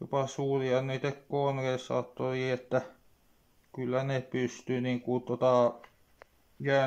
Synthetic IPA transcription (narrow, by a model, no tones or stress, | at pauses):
jo̰pɑsuːriɑnniːt̪ekkonrersɑ̰ːt̪ːoriet̪ːæ | kylːænepyst̪yniŋkut̪ot̪ɑˑ | jæː